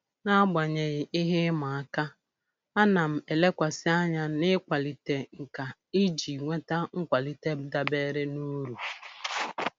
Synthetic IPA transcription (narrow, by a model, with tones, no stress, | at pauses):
na˦ɡ͡ba˨ɲe˨ɣɪ˨ɪ˦ɦɪ˦ma˨a˦ka˦ | a˦na˨m̩˨e˨le˦kʷa˨sɪ˦a˦ɲa˦nɪ˦kʷa˨li˨te˨ŋ̩˨ka˨ | i˦d͡ʒi˨ŋʷe˦ta˦ŋ̩˦kʷa˨li˨te˦b̩˦da˦be˦ɾɪ˦nu˦ɾu˨